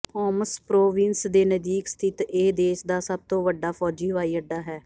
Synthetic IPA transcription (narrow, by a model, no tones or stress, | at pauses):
pɔːməspɾoːʋɪ̃nsd̪eːnəd͡ʒ̪iːkst̪ʰɪt̪eːd̪eːʃd̪aːsəb̚t̪õːʋəɖaːpʰɔːd͡ʒiːɦʊʋaːiːəɖːaːɦɛː